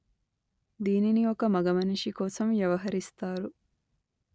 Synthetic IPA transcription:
d̪iːniniokɐmɐɡɐmɐnuʃikoːsɐmʋjɐʋɐɦɐɾist̪aːɾu

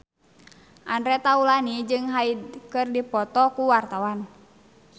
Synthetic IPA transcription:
ʔandɾɛt̪aulanid͡ʒɨŋɦaikɨrdipɔt̪ɔkuwart̪awan

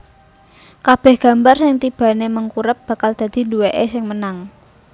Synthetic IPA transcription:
kab̥ɛ̤hɡ̥ä̤mbarsɪŋt̪ib̥ä̤neməŋkuɾəp̚b̥a̤kald̪̥ä̤d̪̥i̤nduweʔesɪŋmənaŋ

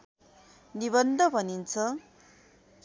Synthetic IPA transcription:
niβʌnd̪ʱʌbʱʌnint͡sʰʌ

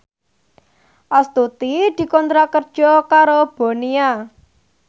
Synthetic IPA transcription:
ʔast̪ut̪id̪̥i̤kɔnt̪ɾakərd̥ʒ̥ɔkaɾob̥o̤nia

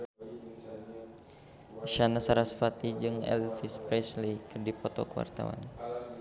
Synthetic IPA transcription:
ʃanasaɾasfat̪id͡ʒɨŋɛ̰lfispɾɛslikɨrdipɔt̪ɔ̰kəwa̰rt̪a̰wa̰n

